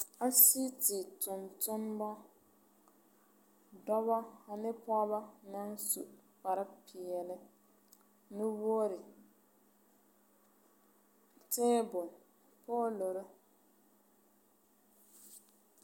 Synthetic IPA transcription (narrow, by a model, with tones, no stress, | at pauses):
a˦si˦tɪ˨tʊ˨ntʊ˦n˦bɔ˦ | dɔ˦βɔ˦a˨nɪ˦pɔ˦ba˦na˦n˦su˨k͡pa˨ɾɪ˦pʰi˨ɛ˨lɪ˦ | nɪ˦wo˦ɾɪ˨ | tɛ̃ː˦bʊ˨n | pɔ˦lo˨ɾɪ˦